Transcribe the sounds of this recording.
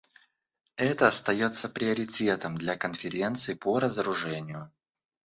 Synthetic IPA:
ɛt̪əɐst̪ɐjo̞t̪sːəpɾʲɪɐɾʲɪtʲe̞t̪əmd̪lʲɐkənfʲɪɾʲe̞nt̪sɨɪpoɾəzəɾʊʐɛnʲɪjʊ

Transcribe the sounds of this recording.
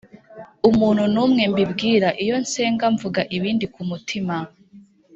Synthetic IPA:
umuːnhunuːmŋe̞mbibɡiːɾaʔijo̞nse̞ːŋɡaɱvuɡaʔiβiːndikumutʰima

